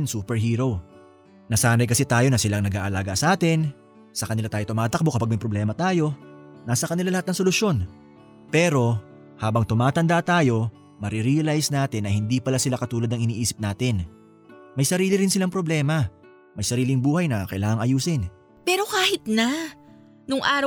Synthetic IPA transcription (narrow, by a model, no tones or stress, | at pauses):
nsuːpɛɹɦiːɾo̞w | nɐsaːnɐjkɐsɛt̪aːjo̞nɐsɪlaŋnɐɡa̰ːʔɐlaːɡɐsɐʔaːt̪ɪn | sɐkɐnɪlat̪aːjo̞t̪ʊmaːt̪ɐk̚bo̞kɐpaɡ̚mɐjpɾoblɛːmɐt̪aːjo̞nasɐkɐnɪlalɐhat̪nɐŋsolʊʃjo̞n | pɛːɾo̞ | haːbɐŋt̪ʊmaːt̪ɐnd̪at̪aːjo̞ | mɐɾiɾiɐlajsnaːt̪ɪnːɐhɪnd̪ipɐlasɪlakɐt̪uːlɐd̪ɐŋɪniːʔiːsɪp̚naːt̪ɪn | mɐjsɐɾiːlɪɾɪnsɪlaŋpɾoblɛːmɐ | mɐjsɐɾiːlɪŋbuːhɐjnɐkɐʔɪlaːŋɐŋɐjuːsɪn | pɛːɾo̞kaːhɪt̪na | nʊŋʔaːɾ